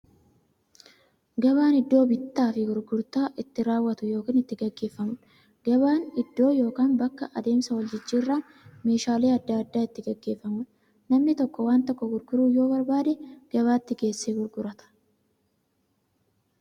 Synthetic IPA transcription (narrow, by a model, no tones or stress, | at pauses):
ɡɐβaːnɪd̪ːo̞ːbɪt̪ːaːfɪɡʊɾɡʊɾt̪aːʔɪt̪ːɪɾaːwːɐt̪ʊjo̞ːkiːnɪt̪ːɪɡɐɡːe̞ːfːɐmʊᶑ | ɡ̥ɐbaːnɪd̪ːo̞ːjo̞ːkaːnbɐkːɐʔɐd̪e̞ːmsɐwɔld͡ʒɪt͡ʃːiːrːaːn | me̞ːʃaːleːɐd̪ːaɐd̪ːaːɪt̪ːɪɡɐɡːe̞ːfːɐmʊᶑ | nɐmnɪt̪ɔkːɔwaːnt̪ɔkːɔɡʊɾɡʊɾuːjo̞ːbɐɾbaːd̪eɡ̥ɐβaːt̪ːɪɡe̞ːsːeːɡʊɾɡʊɾɐt̪ɐ̥